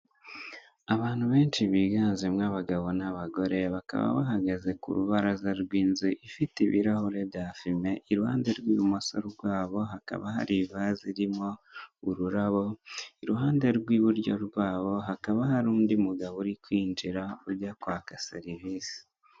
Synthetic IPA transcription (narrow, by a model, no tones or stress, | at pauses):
aβaːn̥huβe̞ːnt͡ʃiβiːɡaːnzemŋaβaɡaβo̞naβaɡo̞ɾe̞βaka̰βa̰βa̰ɦaɡaze̞kṵɾuβaɾazaɾɡwiːnziʔifitiβḭɾahoɾedafime̞ʔiɾuha̰ːnde̞ɾɡwiːβumosoɾɡwaːβo̞ɦaka̰βaɦa̰ɾivaziɾimo̞uɾuɾaβo̞iɾuɦaːnde̞ɾɡwiːβuɾɟoɾɡwaːβo̞ɦakaβaɦaɾuːndimuɡaβuɾikwiːnd͡ʒiɾauɾjakwaːkaseɾivisi̥